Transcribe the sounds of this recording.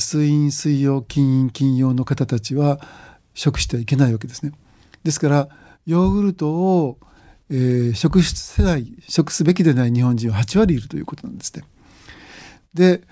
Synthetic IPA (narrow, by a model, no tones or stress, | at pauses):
sɨĩɰ̃sɨijo̞ːkʲĩɰ̃ĩŋkʲĩɰ̃jo̞ːno̞kat̪at̪at͡ɕiβa | ɕo̞kɯ̟ɕi̥t̪e̞aike̞naiβak̬e̞d̪e̞sɨne̞ | d̪e̞sɨ̥kaɾa | jo̞ːɡɯ̟ɾɯ̟t̪o̞ː | eːɕo̞kɯ̟ɕse̞d̪aiɕo̞kɯ̟̥sɨbe̞k̬ʲid̪e̞naiɲ̟ihõɲ̟d͡ʑĩɰ̃ahat͡ɕiβaɾʲiːɾɯ̟t̪o̞jɯ̟̰ːko̞t̪o̞nãnd̪esɨ̥ne̞ | d̪e̞